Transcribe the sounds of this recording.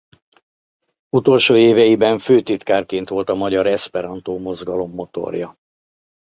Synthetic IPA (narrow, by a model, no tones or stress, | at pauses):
ut̪o̞lʃoːeːvɛjibɛɱføːt̪it̪kaːrkeːnt̪ʋo̞lt̪ɒmɒɟɒɾɛspɛɾɒnt̪oːmo̞zɡɒlo̞mːo̞t̪o̞̰rjɒ